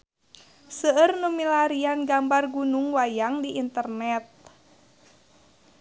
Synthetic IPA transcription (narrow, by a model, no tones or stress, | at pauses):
səərnumilaɾianɡambarɡunuŋwajaŋdiʔint̪ərnɛt̪̚